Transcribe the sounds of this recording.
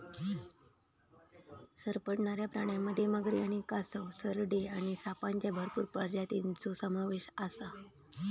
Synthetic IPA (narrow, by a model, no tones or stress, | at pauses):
səɾpəɽɳaɾjapɾaɽ̃jamːəd̪ʱːjeməɡɾiaɽ̃ikasəwsəɾɖeaɽ̃isapaɲt͡ɕjabʱəɾpuːɾpəɾd͡ʑat̪int͡sosəmaʋeɕasa